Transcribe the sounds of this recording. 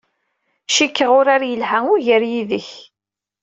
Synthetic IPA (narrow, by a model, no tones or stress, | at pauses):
ʃikːəʁʊɾaɾjəlɦæŋʊɾʝəɾjiðəç